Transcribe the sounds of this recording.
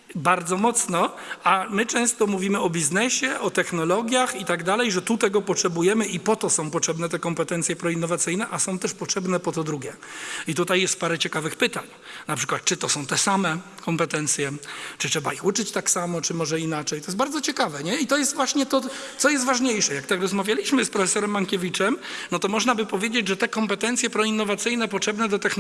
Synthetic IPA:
baɾd̪zɔmɔt̪snɔ | amɘt͡ʂɛ̃w̃st̪ɔmuvʲimɘɔbʲiznɛɕɛʔɔt̪ɛxnɔlɔɡʲjaxit̪aɡd̪alɛjʐɛt̪ut̪ɛɡɔpɔtʂɛbujɛmɘʔipɔt̪ɔsɔ̃w̃pɔtʂɛbnɛt̪ɛkɔmpɛt̪ɛnt̪sʲjɛpɾɔinːɔvat̪sɘjnɛʔasɔ̃w̃t̪ɛʂpɔtʂɛbnɛpɔt̪ɔd̪ɾuɡʲɛit̪ut̪ajːɛst̪̚paɾɛt͡ɕɛkavɘxpɘt̪aɲ | napʂɘ̥kwat̪̚t͡ʂɘt̪ɔsɔ̃w̃t̪ɛsamɛkɔmpɛt̪ɛnt̪sʲjɛt͡ʂɨtʂɛbaixut͡ʂɘt͡ɕt̪aksamɔt͡ʂɘmɔʐɛinat͡ʂɛjt̪ɔjɛsbaɾd̪zɔt͡ɕɛkavɛɲɛit̪ɔjɛs̬t̪vwaɕɲɛt̪ɔt̪sɔjɛs̬t̪vaʐɲejʂɛjakt̪akɾɔzmavʲjalʲiɕmɘspɾɔfɛsɔɾɛmːaŋkʲevʲit͡ʂɛmnɔt̪ɔmɔʐnabɘpɔvʲjed͡ʑed͡ʑʐɛt̪ɛkɔmpɛt̪ɛnt̪sʲjɛpɾɔinːɔvat̪sɘjnɛp̬ɔtʂɛbnɛd̪ɔt̪ɛxn

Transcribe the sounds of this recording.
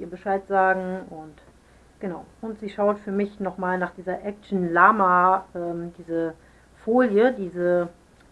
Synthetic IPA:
iːɐbəʃaɪtz̥aːɡŋ̩ʔʊnt | ɡ̥ənaʊʔʊntz̥iːʃaʊtfyːɐmɪçnɔχmaːlnaːχd̥iːzɐʔɛk̚t͡ʃn̩laːmaʔɛːmdiːzə | foːljədiːzə

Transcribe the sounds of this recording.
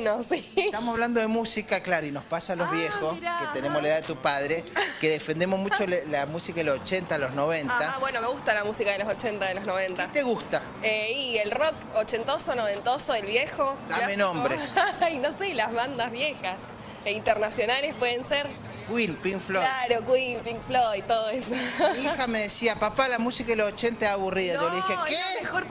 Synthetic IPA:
nosit̪amosaβland̪oðemusikaklaɾoinohspasalozβjexosket̪enemoslaeðaðet̪upaðɾekeðefend̪emozmut͡ʃolamusikaðelosot͡ʃent̪aloznoβent̪aaβwenomeɣust̪alamusikaðelosot͡ʃent̪aðeloznoβ̞ent̪at̪eɣust̪a | eielrok | ot͡ʃe̞nt̪osonoβent̪osoelβjexot̪aamenõmbɾesajnoselazβand̪azβjexas | int̪eɾnasjo̞nalespweðenseɾ | kwinpinflolaɾokwimpiŋflojt̪oðoesoixame̞ðesiapapalamusikaðelosot͡ʃent̪aaːβuriðaoleðixekexoɾ

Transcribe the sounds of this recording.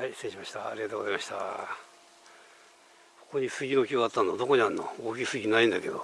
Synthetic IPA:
haisẽɕimaɕi̥t̪a̰ːɾʲiɣat̪oːɡozaimaɕi̥t̪a̰ | ko̥ko̞ɲ̟isɨɡʲino̞kʲiɡaat̪ːãnːod̪o̞ko̞ɲianːooːkʲisɨɡʲinaĩnd̪ake̞d̪o̰

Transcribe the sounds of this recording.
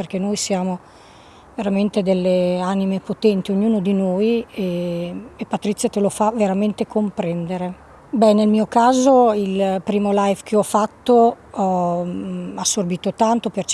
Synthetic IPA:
erkenojsjaːmo | veɾament̪ed̪elːeanimepot̪ɛnt̪ioɲːuːnod̪inojeː | pat̪ɾit̪sːjat̪elofaveɾament̪ekompɾɛnd̪eɾe | bɛnːelmiːokaːzoilpɾiːmolajvkʰeɔfat̪ːoɔ | asːorbiːt̪ot̪ant̪opert͡ʃ

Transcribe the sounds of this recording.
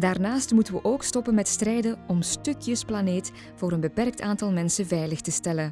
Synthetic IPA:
daːrnaːstmutənʋəʔoːkstɔpənmɛtstrɛjdənɔmstøkjəsplaneːt | v̥oːɾənbəpɛrk̚tʰaːntɑlˠmɛnsəvɛjləxtəstɛlən

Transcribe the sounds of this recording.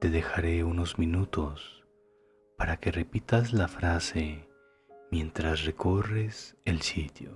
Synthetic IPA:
t̪e̞ðe̞xaɾe̞uno̞zmĩnut̪o̞s | paɾake̞re̞pit̪azlafɾase̞ | mje̞nt̪ɾasre̞ko̞reselsit̪jo

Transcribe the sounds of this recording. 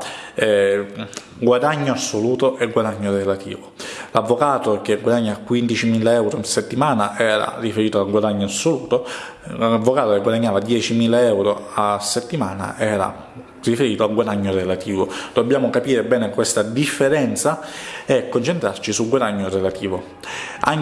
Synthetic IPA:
ɡwad̪aɲːoasːoluːt̪oʔeɡwad̪aɲːorelat̪ḭːvolavːokaːt̪okeɡwad̪aɲːaakːwind̪it͡ʃimiːlaɛwɾonset̪ːimaːnaʔɛːɾa̰rifeɾiːt̪oaɡwad̪aɲːoasːoluːt̪o | avːokaːt̪okeɡwad̪aɲːaːvad̪jɛːt͡ʃimiːlaɛwɾoasːet̪ːimaːna̰ʔɛːɾa̰ | rifeɾiːt̪oaɡwad̪aɲːorelat̪iːvod̪̥obːjaːmokapiːɾebɛːnekwest̪ad̪ifːeɾɛnt̪saɛkːont͡ʃent̪ɾart͡ʃisuɡwad̪aɲːorelat̪iːvo | a

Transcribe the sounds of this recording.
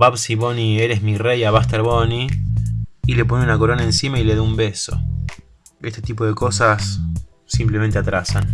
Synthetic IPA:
baβsiβonieɾe̞smirejaβast̪eɾβoni | ile̞p̬o̞neunako̞ɾo̞naensimaileðoumbeso̞̰ | est̪et̪ipo̞ðe̞ko̞sasː | imple̞ment̪eat̪ɾasan

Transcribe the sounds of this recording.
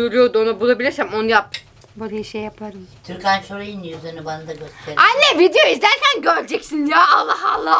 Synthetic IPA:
uɾʲˠujo̞d̪uonabulˠabilʲisæmo̞nujap̚ | bulˠajaʃejːapʰaɾɯmt̪ʰyɾcʲlʲænsoɾajinːijyzeɾnibanad̪aɡøseɾajnʲɛvid̪ejoizd̪æɾcʰænɟølʲd͡ʒɛcsinjaalˠːaɦa̰lˠːa

